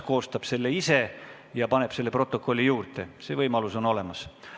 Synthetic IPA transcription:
ko̞ːst̪ɑb̥se̞lːeise̞ | jɑpɑne̞b̥se̞lːe̞pro̞t̪ːˑo̞kːˑo̞lʲːijuːrt̪e̞se̞ːvɤjmɑluso̞no̞le̞mɑs

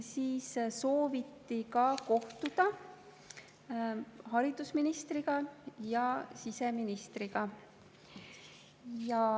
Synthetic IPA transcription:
siːsso̞ːvit̪ːikɑko̞ht̪ud̪̥ɑ | hɑɾid̪̥usminist̪riɡ̥ɑjɑsise̞minist̪riɡ̥ɑ | jɑ

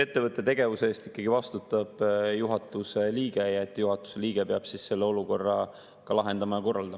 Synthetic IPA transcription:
e̞t̪ːevɤt̪ːˑe̞t̪e̞ɡ̥e̞vuseːst̪i̥kˑːɑɡ̥ivɑst̪ut̪ːˑɑb̥juɦɑt̪ːˑuse̞liːɡe̞jɑe̞t̪ːˑjuɦɑt̪ːˑu̥se̞liːɡe̞peɑb̥sisse̞lːe̞o̞luko̞rːɑ | kɑlɑɦe̞nd̪ɑmɑjɑko̞rːɑld̪ɑmɑ

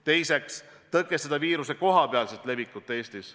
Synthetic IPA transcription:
t̪e̞jse̞kst̪ɤkːˑesed̪ɑviːɾuse̞ko̞ɦɑpeɑlset̪ˑle̞vːikːˑut̪ːˑe̞ːst̪is

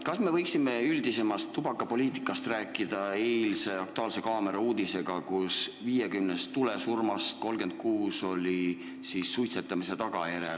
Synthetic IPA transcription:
kɑsme̞vɤjksime̞yld̪ise̞mɑst̪ːubɑkːˑɑpo̞lʲiːt̪i̥kːˑɑst̪ræːkːˑid̪̥ɑeːlse̞ɑk̚t̪uɑːlse̞kɑːme̞ɾɑuːd̪̥ise̞ɡ̥ɑkusviːjekymnest̪ːulesurmɑst̪̚ko̞lɡe̞nd̪̥̚kuːso̞lʲi | sisːujt̪se̞t̪ːˑɑmise̞t̪ɑɡ̥ɑjeɾḛl

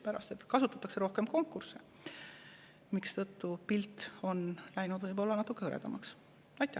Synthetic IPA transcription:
pæɾɑ̰st̪e̞t̪kɑsut̪ːˑɑt̪ːˑɑkse̞ɾo̞hke̞mko̞ŋkːˑurse | mikst̪ɤt̪ːupilt̪o̞nlæjnud̪̥vɤjbo̞lːɑnɑt̪ːˑukˑːeɤɾed̪̥ɑmɑks | ɑjt̪ːˑæ

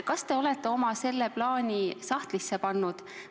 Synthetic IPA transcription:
kɑst̪e̞o̞le̞t̪ːˑe̞o̞mɑse̞lːe̞plɑːnʲisɑht̪lisːepɑnːud̪̥

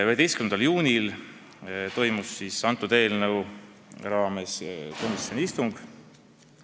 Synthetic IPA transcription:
yɦet̪e̞jskymend̪ɑljuːnʲil | t̪o̞jmusːisːɑnt̪ːˑut̪e̞ːlnɤw | rɑːme̞sko̞misːio̞nʲiist̪uŋɡ̥

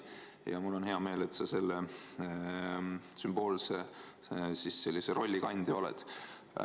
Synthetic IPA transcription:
jɑ̰mulːo̞nheɑme̞ːle̞t̪sɑse̞lːe | symb̥o̞ːlse | sisːe̞lʲːiseɾo̞lʲːikɑnʲd̪̥ʲio̞lɛ̰d̪̥

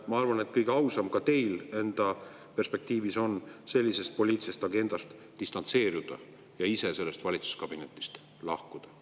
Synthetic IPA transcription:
mɑɑrvɑne̞t̪̚kɤjɡeɑwsɑmkɑt̪e̞jle̞nd̪̥ɑ | pe̞rspe̞k̚t̪iːviso̞nse̞lʲːise̞st̪̚po̞lʲiːt̪sest̪ɑɡe̞nd̪̥ɑst̪ | d̪ist̪ɑnt̪se̞ːɾud̪̥ɑ̰ | jɑisese̞lːest̪vɑlʲit̪su̥skɑb̥ine̞t̪ːˑi̥st̪ | lɑhkud̪̥ɑ

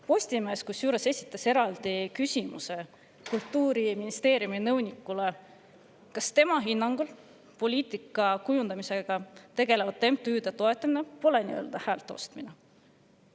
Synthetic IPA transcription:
po̞sʲt̪imeːskusjuːɾe̞se̞sʲit̪ːˑɑse̞ɾɑld̪̥ikysʲimṵse̞ | kult̪ːˑuːɾiminist̪e̞ːɾjuminɤwnʲikːˑule | kɑst̪e̞mɑɦinːɑŋɡ̥ul | po̞lʲiːt̪ˑikːˑɑkujund̪̥ɑmise̞ɡ̥ɑt̪e̞ɡ̥e̞levɑd̪̚t̪ːe̞mp̚t̪yːd̪̥et̪o̞e̞t̪ːˑɑminepo̞lenḭø̞ːld̪̥ɑhæːlt̪ːˑo̞̰st̪mine

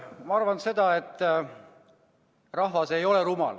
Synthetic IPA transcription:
mɑɑrvɑnse̞d̪̥ɑe̞t̪ˑː | rɑɦvɑse̞jo̞leɾumɑ̰l

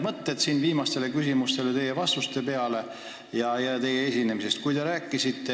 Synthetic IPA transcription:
mɤt̪ːet̪siːnviːmɑst̪e̞le̞kysimust̪e̞let̪e̞jevɑst̪ust̪e̞pe̞ɑle̞ | jɑjɑt̪e̞jee̞sʲine̞mise̞st̪̚kujd̪e̞ɾæːkːˑisit̪ːe

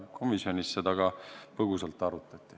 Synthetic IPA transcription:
kʰo̞misjo̞nisːet̪ɑɡ̥ɑpɤɡusɑlt̪ːˑɑɾut̪ːˑɑt̪ʲːˑi̥

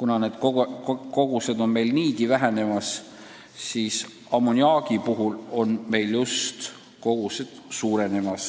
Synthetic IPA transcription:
kunɑne̞ːd̪̥koko̞ɡ̥use̞d̪o̞nme̞jlniːɡivæɦene̞mɑs | siːs | ɑmunʲiɑːɡ̥ipuɦulo̞nme̞jljust̪ | ko̞ɡ̥use̞d̪̥suːɾe̞ne̞mɑs

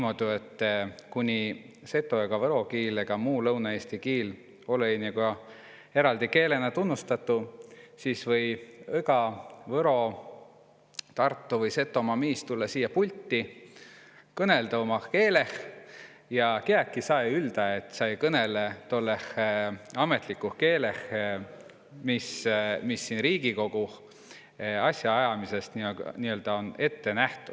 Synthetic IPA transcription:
imo̞d̪̥uet̪ːkunʲi | se̞t̪ːˑo̞eɡ̥ɑvɤɾo̞kiːleɡ̥ɑmuːlɤwnɑe̞ːst̪ikiːl | o̞leniɡo | e̞ɾɑld̪ike̞ːle̞nɑt̪unːust̪ɑt̪ˑːusiːsvɤ̞jeɡɑvɤɾo̞ | t̪ɑrt̪ːuvɤjse̞t̪ːˑo̞mɑmiːst̪ulːɑsiːjːɑpulʲt̪ːi | kɤne̞ld̪ɑomɑke̞ːle̞h | jɑkeækːisɑjyld̪̥ɑet̪ːˑsɑjkɤne̞let̪o̞lːeh | ɑme̞t̪ˑlikːuhke̞ːle̞h | mismisːinriːɡ̥iko̞ɡ̥u | ɑsʲjɑɑjɑmise̞st̪niøɑ̰niø̞ld̪̥ɑo̞ne̞t̪ːe̞næht̪ud̥̪

